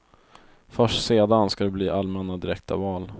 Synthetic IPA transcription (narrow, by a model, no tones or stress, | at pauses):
fœʂʈseːd̪anskad̪ɛbliːʔalmɛnːad̪ɪɾɛk̚t̪ʰa̰vɑːl